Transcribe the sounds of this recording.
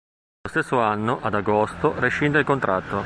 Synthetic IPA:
ost̪esːoanːoʔad̪aɡost̪oreʃind̪elkont̪ɾat̪ːo

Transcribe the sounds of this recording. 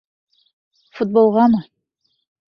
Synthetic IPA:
fut̪̚bolˠʁɑmɤ

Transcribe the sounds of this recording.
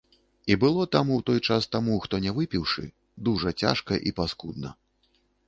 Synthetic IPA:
ibɨlˠɔt̪amuwt̪ɔjt͡ʂast̪amuxt̪ɔnʲɛvɨpʲiwʂɨ̰ | d̪uʐɐt͡sʲa̰ʂkɐʔipaskud̪̚nɐ̰

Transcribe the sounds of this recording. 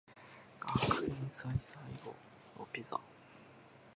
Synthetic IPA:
akɯĩsaisaiɡo̰ | opʲiza̰

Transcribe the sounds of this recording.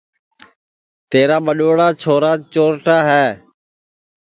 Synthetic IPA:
t̪eːɾaːɓəɗoːɽaːt͡ʃʰoːɾaːt͡ʃoːɾʈaːɦɛː

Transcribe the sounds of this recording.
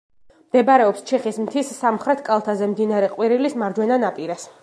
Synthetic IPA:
md̪ɛbaɾɛɔpst͡ʃʰɛχismt̪ʰisːamχɾɛt̪ʰkʼalˠt̪ʰazɛmd̪inaɾɛqʼwiɾilismaɾd͡ʒwɛnanapʼiɾas

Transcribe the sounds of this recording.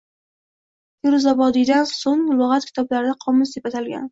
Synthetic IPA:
jʊɾzabɒd̪ɪd̪ansoŋlˠoʁat̪̚kʲʰɪ̥t̪ʰɒblaɾɪd̪aqʰɒmɪsd̪epat̪ʰalɡʲa̰n

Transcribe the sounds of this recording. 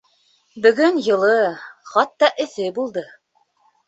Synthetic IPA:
bɵ̆ɡɵnjɤ̆lˠɤχɑt̪ːɑʔɘ̆θɘbulˠd̪ɤ

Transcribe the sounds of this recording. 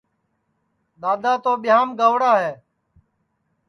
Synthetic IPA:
ɗ̪aːd̪aːt̪oːɓɪjaːmɡəʋɽaːɦɛː

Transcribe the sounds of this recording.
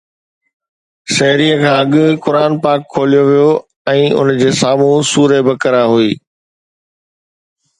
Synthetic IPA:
ʃɐɦɪɾijəkʰãːɐɠʊkʊɾaːnpaːkʰːoːlijoʋijo | ɛ̃ːʊ̰nd͡ʑeːsaːmũsuːɾebɐkəɾaɦuiː

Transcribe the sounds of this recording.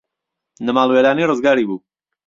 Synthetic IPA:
nəmaːlˠweɾaːniːrɨzɡaːɾiːbuː

